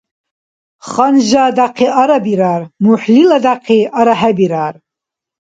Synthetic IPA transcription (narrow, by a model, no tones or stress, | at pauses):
χanʒad̪aqʰiʔaɾabiɾaːrmuħlilad̪aqʰiaɾaħabiɾaːr